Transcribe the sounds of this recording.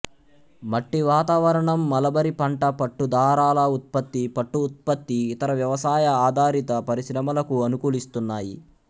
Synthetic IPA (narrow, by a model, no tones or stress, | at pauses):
mɐʈːiʋaːt̪aːʋɐɾɐɳɐmːɐlɐbɐɾipɐɳʈɐpɐʈːud̪ʱaːɾaːlɐut̪̚pɐt̪ːipɐʈːuːt̪̚pɐt̪ːiːt̪ɐɾɐʋjɐʋɐsaːjɐaːd̪ʱaːɾit̪ɐpɐɾiʃɾɐmɐlɐkuɐnukuːlist̪unːaːjḭ